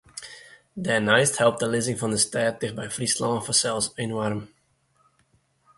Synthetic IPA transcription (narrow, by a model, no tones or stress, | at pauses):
dɛnɛjsthɛlˠp̚tdəlɪzɪŋfɑndəstɛːt̚dɪχbɛjfrislɑfɔsɛlˠsenwarm